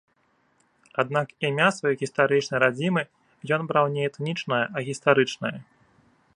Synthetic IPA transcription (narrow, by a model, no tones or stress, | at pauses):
ad̪̚nakimʲasvajɔjɣʲist̪aɾɨt͡ʂnɐjɾad͡zʲimɨ | jɔnbɾawnʲɛɛt̪nʲit͡ʂnɐjɐɐɣʲist̪aɾɨt͡ʂnɐjɐ